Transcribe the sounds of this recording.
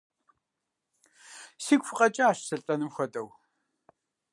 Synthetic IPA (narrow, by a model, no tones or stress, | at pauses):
siːɡʷfɨqʼɐt͡ʃʼɐaːʃsɨɬʼɐnɨmxʷɔtʼɐw